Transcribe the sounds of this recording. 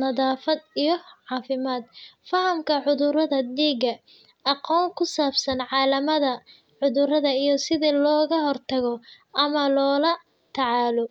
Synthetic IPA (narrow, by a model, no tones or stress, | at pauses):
nɐðaːfɐd̪ijɞʕɑːfɪmaːd̪fɐhɐmkʰɐʕʊðʊɾɐðɐd̪iːɡɐ | ɑqɔːŋkʰʊsaːbsɐnʕɑːlɐmɐðɐ | ʕʊðʊɾɐðɐijɞsɪðilɔːɣɐɦɔrt̪ʰɐɣɔ | ʔɐmɐlɔːlɐ | t̪ʰɑʕɑːlɔ